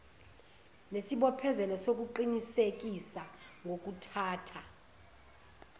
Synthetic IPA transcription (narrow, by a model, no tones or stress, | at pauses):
nesiɓɔpʰɛzɛnɔsok̬ʼuǃinisek̬ʼisaŋɡʱok̬ʼutʰaːtʰa